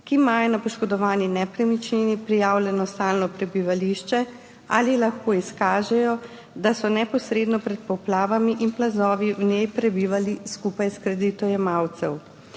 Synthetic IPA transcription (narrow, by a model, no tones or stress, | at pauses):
kimajɔnapɔʃkɔd̪ɔʋaːninɛpɾɛmit͡ʃninipɾijaːwlʲjɛnɔst̪aːlnɔpɾɛbiʋaliʃt͡ʃɛ | a̰ːlilaxkoːiskaːʒɛjɔ | d̪asɔnɛpɔsɾeːd̪nɔpɾɛt̪̚pɔplaːʋamiʔinplazɔːʋiwnjejpɾɛbiːʋaliskuːpajskɾɛd̪it̪ɔjɛmawt̪sɛw